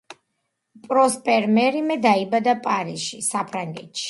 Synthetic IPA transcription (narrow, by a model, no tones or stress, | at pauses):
pʼɾɔspʼɛɾmɛɾimɛd̪aibad̪apʼaɾiʃisapʰɾaŋɡɛt̪ʃi̥